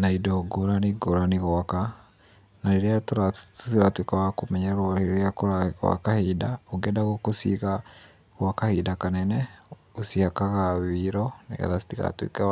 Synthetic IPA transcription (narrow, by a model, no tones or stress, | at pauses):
naidɔɡoɾaniɡoɾaniɣɔaka | naɾeɾeatoɾatosiɾatwekawakomɛɲaɾɔhejakoɾakwa̰kahidaoɡɛdaɣokosiɣa | ɣwakahidakanɛnɛosihakaɣaβiɾɔnḛɣa̰ðasi̥tika̰twḛkɛwa